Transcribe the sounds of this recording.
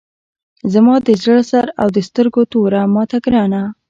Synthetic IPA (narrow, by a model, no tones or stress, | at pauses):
zamɑd̪əzəɭsaɾa̰wd̪əst̪əɾɡot̪oɾamɑt̪aɡɾɑna